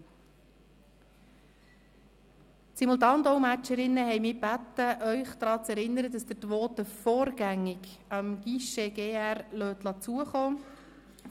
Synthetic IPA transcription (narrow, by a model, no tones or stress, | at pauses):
simulˠt̪̬ɑːndɔʊmæt͡ʃəɾɪnːəɦɛjmiːb̥æt̪ːəʔœʏχd̪ɾɑːt͡sɛɾɪnːəɾəd̪ɑsd̥̪ətʋɔːt̪əfɔːɾɡæŋːɪɡ | ɑmɡ̥iʃeɡ̥eːærlœːt̪lɑt͡suəχoː